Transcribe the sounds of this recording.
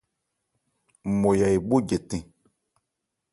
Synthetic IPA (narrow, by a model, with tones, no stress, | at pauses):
mo˨ja˨e˨bo˦ɟe˨tẽ˨